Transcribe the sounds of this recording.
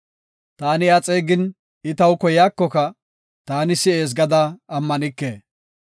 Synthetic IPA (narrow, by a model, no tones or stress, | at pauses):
t̪aːnɪɐt͡sʼeːɡɪn | ɪt̪ɐwkɔjaːkːɔkɐ | t̪aːnɪsɪeːs̬ɡɐd̪ɐɐmːɐnɪkːeː